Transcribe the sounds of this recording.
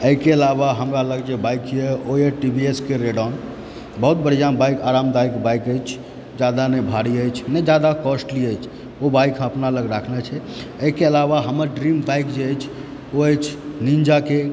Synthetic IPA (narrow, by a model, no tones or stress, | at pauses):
əikeəlabaɦəmɾaləɡd͡ʒebajkjeoeʈibieskeɾeɽan | bəɦut̪̚bəɾijabajkʰaɾamd̪aikbajkəjt͡ʃʰ | d͡ʒad̪anebʱaɽiəjt͡ʃʰned͡ʒad̪akɔsʈliəjt͡ʃʰ | obajkʰəpnaləɡɾakʰnɛt͡ʃʰɛ | əkeəlaβaɦəməɾɖɾimbajkd͡ʒeəjt͡ʃʰ | oəjt͡ʃʰnind͡ʒake